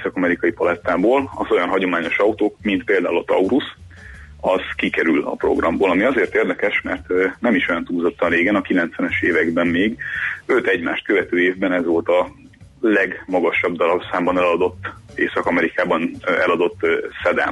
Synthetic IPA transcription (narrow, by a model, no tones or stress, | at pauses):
sɒkɒmɛɾikɒjipɒlɛt̪ːaːboːlɒzo̞jɒnɦɒɟo̞maːɲo̞ʃɒut̪oːkmint̪̚peːld̪aːulɒt̪ɒ̰uɾus | ɒz̥kikɛɾylɒ̰pro̰ɡrɒmboːlɒmiɒzeːrt̪eːrd̪ɛkɛʃmɛrt̪nɛmiʃo̞jɒnt̪uːzo̞t̪ːɒnreːɡɛnɒkilɛnt̪sʋɛnɛʃeːvɛɡbɛmmeːɡøt̪ɛɟma̰ːʃt̪̚køvɛt̪øːeːvbɛnɛzʋo̞lt̪ɒ | lɛɡmɒɡɒʃɒb̚d̪ɒlɒbsaːmbɒnɛlɒd̪o̞t̪ːeːsɒkɒmɛɾikaːbɒnɛlɒd̪o̞t̪ːsɛd̪a̰m